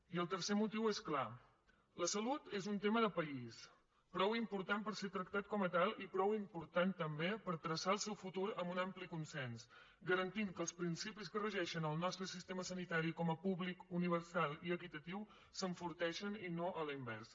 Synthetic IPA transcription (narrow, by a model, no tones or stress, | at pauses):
iəlˠt̪əɾsemut̪iweskla | ləsəlut̪ezunt̪eməðəpəis | pɾɔwimpuɾt̪ampəɾset̪ɾəkt̪at̪̚kɔmət̪alˠipɾɔwimpuɾt̪ant̪əmbepəɾt̪ɾəsaəlˠsɛwfut̪uɾəmbunamplikunsɛns | ɡəɾənt̪iŋkəːlˠspɾinsipiskərəʒɛʃənəlˠnɔst̪ɾəsist̪eməsənit̪aɾikɔməpuβlikuniβ̞əɾsalˠiəkit̪ət̪iw | səɱfuɾt̪ɛʃəninoʔələimbɛ̰ɾs